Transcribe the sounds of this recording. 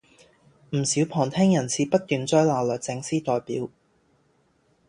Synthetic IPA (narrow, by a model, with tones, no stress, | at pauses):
m̩˨˩siː˨˥wpʰɔː˨˩ŋt̪ʰɛː˥ŋjɐ˨˩nsʰiː˧pɐ˥t̚t̪ːyː˨nt͡sɔː˥jlaː˨˩lœː˨k̚t͡sɪ˧ŋsiː˥t̪ɔː˨jpiː˨˥w